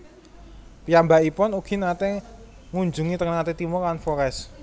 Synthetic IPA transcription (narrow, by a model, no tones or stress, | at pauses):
pijambaʔipɔnukinat̪e | ŋuɲd͡ʒṳŋit̪əŋnat̪et̪imɔkanfɔɾɛs